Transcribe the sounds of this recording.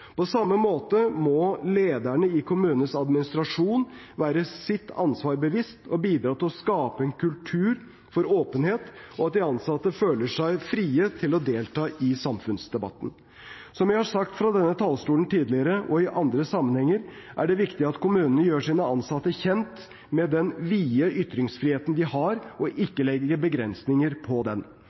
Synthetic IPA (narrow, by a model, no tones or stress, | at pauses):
pɔsɑmːəmoːt̪əmɔleːd̪æɳəɪkʰʊmʉːnəəsɑd̪mɪnɪst̪ɾɑʂuːn | ʋæːɾəsɪt̪ʰːɑ̰nsʋɑːɾbəʋɪst̪ʰɔbiːd̪ɾɑːt̪ɪlɔskɑːpəɛnkʰʉlt̪ʰʉːɾ | fɔɾoːpənheːt̪ɔɑt̪̚d̪ɪɑnsɑt̪ːəføːləʂæɪfɾiːət̪ʰɪlɔd̪eːlt̪ʰɑːʔɪsɑmfʉnsd̪ɛbɑ̰t̪ːn̩ | sɔmjæɪhɑʂɑkt̪fɾɑd̪ɛnːət̪ʰɑlst̪uːln̩t̪ʰiːd̪lɪəɾəʔɔɪʔɑnd̪ɾəsɑmːənhɛŋːəɾʔæɖɛʋɪkt̪ɪɑt̪kʊmʉːnənəjøːʂiːnəɑnsɑt̪ːəçɛnt̪ | mɛd̪ɛnʋiːəʔʏt̪ːɾɪŋsfɾiːheːt̪ən̩d̪ɪhɑɾɔʔɪkːəlɛɡəbəɡɾɛnsnɪŋəɾpʰɔd̪ɛn